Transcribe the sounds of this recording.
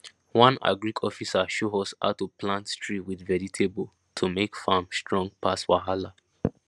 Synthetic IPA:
wãna̰ɡɹikʰɔfisaʃoɔsa̰tuplãntstɹiwidvɛditʰebo | tʰumekfamstɹɔ̃ŋɡ̚pʰaswa̰ɦala

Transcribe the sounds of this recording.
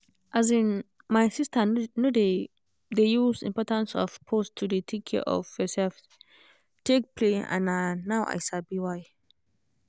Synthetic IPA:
ʔazĩn | majsistanode | dejuzḭ̃mpɔtãnsɔ̰fpʰostʰːuditʰikʰɛɔ̰fhɛsɛlf | tʰek̚pʰleã̰nanawʔa̰jʃalbiwaj

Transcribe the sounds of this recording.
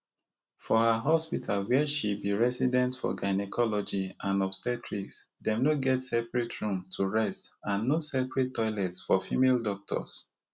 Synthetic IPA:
fɔhaɦɔspitʰalwɛʃibiɹɛsidɛ̃ntfɔ̰ɡaɪnɛkʰɔlɔd͡ʒiãnɔpstɛtʰɹiks | dɛ̃mnoɡɛtsɛpɹɛtʰɹũmtʰuɹɛstãnːosɛpɹɛtːɔɪlɛtsfɔfimeldɔk̚tʰɔ̰s

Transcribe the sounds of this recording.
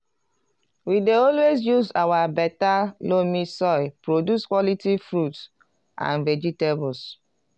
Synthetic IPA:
wideɔlwezjuzawabɛtalomĩsɔɪpɹodjuskwɔlitifɹuts | ʔã̰nvɛd͡ʒitebɔls

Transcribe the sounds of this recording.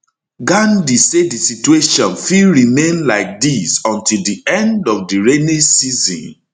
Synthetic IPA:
ɡãndisedisitueʃɔ̃nfilɹimẽnlaɪk̚disɔ̃ntilˠdiɛ̃ndɔfdiɹenesizḭ̃n

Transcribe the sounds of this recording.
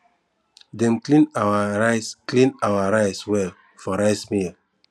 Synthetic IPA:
dɛ̃mklĩnawaaɪsklĩnawaɹaɪswɛl | fɔɹaɪsmil

